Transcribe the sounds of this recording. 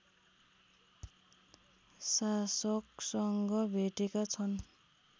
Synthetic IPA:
sasʌksʌŋɡʌbʱeʈekat͡sʰʌn

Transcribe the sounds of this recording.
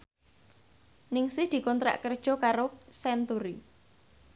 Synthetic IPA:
nɪŋsɪhd̪̥i̤kɔnt̪ɾa̰ʔkərd̥ʒ̥ɔ̤kaɾosɛnt̪uɾi

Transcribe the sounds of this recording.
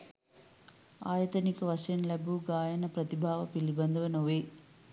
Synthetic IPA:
aːjɐt̪ɐnikʲːɐʋɐʂɐnlɐbʱuɡaːjɐnɐprɐt̪ibʱaːʋɐpilibɐnd̪ʱɐʋɐnoʋe

